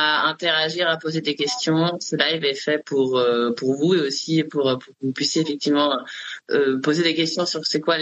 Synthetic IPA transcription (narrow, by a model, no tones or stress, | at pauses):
aɛ̃t̪eʁaʒiʁapozed̪ekʲɛst̪jɔ̃səlaevɛfɛpuʁøpuʁvueosiepuʁøpuʁkəvupɥisjeːfɛk̚t̪ivmɑ̃øpozed̪ekʲɛst̪jɔ̃syʁsɛkwal